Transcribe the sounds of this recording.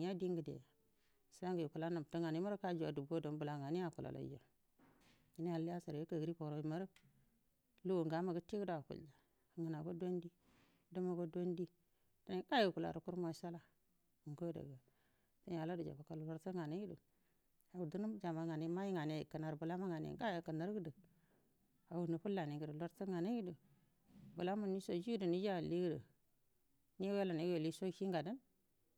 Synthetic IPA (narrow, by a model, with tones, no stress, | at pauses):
a˦di˦ŋɡə˨dḛ˨ja˨ | sa˦ŋɡə˨ji˨ku˨la˦na˨m˨tə˦ŋa˨ni˦ma˦ɾka˦d͡ʒwa˨du˨bo˦do˨nbu˨la˨ŋa˨ni˦ja˨ku˨la̰˨lʔa̰˨˦d͡ʒo̰˨ | i˦ni˦a˨˦i˦a˦sa˨ɾje˦kə˨ɡɾi˦po˨ɾo˨i˨ma˦ɾə˦ | lu˦wo˨ŋɡa˨˦ma˨ɡə˦ti˦ɡə˦da˨kṵ˨ld͡ʒa˨ | ŋə˨na˨ɡo˦do˦ndi˦ | də˦ma˨ɡo˦do˦ndi˦ | tə˦n˦ka˦ji˨ku˨la̰˨ɾu˨ku˦ɾmo˦ʃa˦la˦˨ | ŋko˦də̰˨ɡa˨ | tə˦a˨la˦du˨d͡ʒa̰˨ba˨ka˦llo˦ɾtə˦ŋa˨ni˦i˦dṵ˨ | a˨u˨du˦nu˦d͡ʒa˨ma˨ŋa˨ni˦ma˦ji˦ŋa˨ne˨kə˨na˨ɾbu˨la˦ma˦ŋa˨nḛ˨˦ka˦ja˨kə˨na˦ɾɡə˦də˨ | a˨wu˨nu˨pu˦la˨ni˨ɡə˨də˨lo˦ɾtə˦ŋa˨ni˦i˦do˨ | bu˨la˦mu˨ni˦so˨d͡ʒi˦ɡdə˨ni˦d͡ʒa˦˨li˦ɡdə̰˨ | ni˦we˦la˨ni˦we˨li˦so˦ki˦ŋɡa˨də˦n